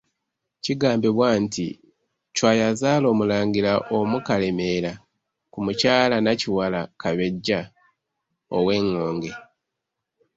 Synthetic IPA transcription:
ciɡaːmbeβwaːntḭ | cwaːjazaːlo̞ːmulaːŋɡiɾaʔomukale̞me̞ɾa | kumucaːlanaciwalakaβe̞ɟːa | owe̞ːŋːoːŋɡe̞

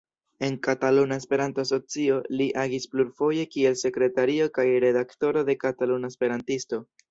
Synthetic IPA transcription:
e̞nkatalunaespe̞ɾanto̞aso̞t͡sio̞liʔaɡispluɾfo̞je̞kie̞lse̞kɾe̞taɾio̞kajɾe̞dakto̞ɾo̞de̞katalunaespe̞ɾantisto̞

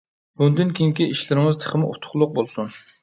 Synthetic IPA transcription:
bund̪ynkʲʰiŋkʲiʔiʃlɪɾɪŋɨzt̪ʰə̥χəmʊʔṵt̪ʰʊ̥χlˠʊq̚bolˠsun

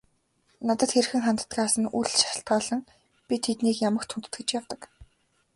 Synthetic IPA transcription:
nat̪ə̆t̪xerxɘ̆ŋχant̪ə̥̆t̪ɢaːsə̆nuɮʃḁʃɪ̆ɬt̪̚ɢaːɮə̆ŋ | pʲit̪ʰet̪niːkjamə̆xt̪ʰunt̪ɘ̥̆t̪ɡɘ̆t͡ɕjawt̪ə̆k

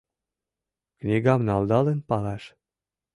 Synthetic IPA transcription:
knʲiɡɑmnɑld̪ɑlĕnpɑlɑʃ

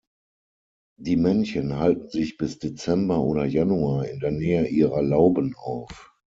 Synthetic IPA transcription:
d̥iːmɛnçənɦaltn̩zɪçb̥ɪsd̥et͡sɛmbɐʔoːɾɐjanuaːɪ̰ndeːɐnɛːəʔiːʁɐlaʊbənaʊf

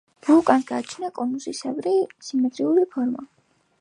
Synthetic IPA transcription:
b̥ukʼansɡ̥aːt͡ʃʰnakʼɔnusisɛbɾisimɛt̪ʼɾiuɾipʰɔɾma̰

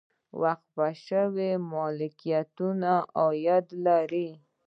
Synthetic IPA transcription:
waxt̪̚baʃəwemɔlɪkijat̪unaʔɔjad̪laɾi

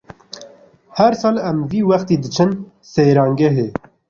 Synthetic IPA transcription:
hæɾsɑːlɛmviːwɐxt̪iːd̪ɨt͡ʃʰɨn | seːɾɑːŋɡɛɦe

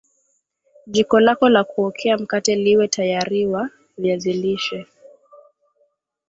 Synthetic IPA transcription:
ʄikɔlakɔlakuɔkʰɛam̩katɛliwɛtʰajaɾiwa | viaziliʃɛ

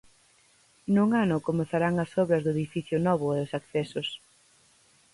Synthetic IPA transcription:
nuŋanʊkomeθaɾaŋɐsɔβɾɐzðʊeðifiθjʊnɔβ̞ʊɛʊsakθɛsʊs

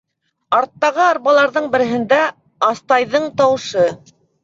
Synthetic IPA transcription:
ɑɾt̪ːɑʁɤɑɾβɑlˠɑɾðɤɴbɘ̆ɾɘ̆ɦɘ̆nd̪æ | ɑst̪ɑjðɤɴt̪ɑwɤ̆ʃɤ

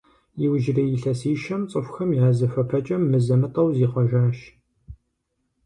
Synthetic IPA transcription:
jiwʒɪrijɪɬɐsiːʃɐmt͡sʼəfʷxɐmjiaːzɐfɐpʰɐt͡ʃʼɐmːɨzɐmɨtʼɐwziːqʷɔʒaːʃ

